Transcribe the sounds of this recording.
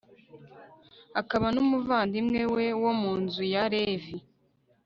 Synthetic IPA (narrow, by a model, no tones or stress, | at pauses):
akaβanumuvaːndimŋe̞we̞womuːnzujaɾe̞vi